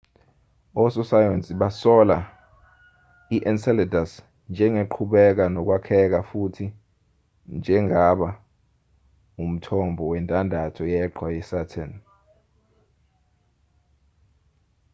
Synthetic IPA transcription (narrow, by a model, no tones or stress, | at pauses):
ɔsɔsajɔnsʼiɓasɔla | iʔɛnsɛlɛdas | nd͡ʒʱɛŋeǃʰuɓɛk̬anɔk̬wakʰɛk̬afutʰi | nd͡ʒʱɛŋʱaɓa | um̩tʰɔmbʱɔwɛntʼandʱatʰɔjɛǃʰwajɛsatʰan